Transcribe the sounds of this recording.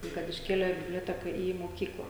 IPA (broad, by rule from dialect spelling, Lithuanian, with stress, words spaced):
ˈtɐɪ kɐt ɪʃʲˈkʲeːlʲeː bʲɪbʲlʲoːˈtʲæːkɐ iː moːˈkʲiːklˠɐ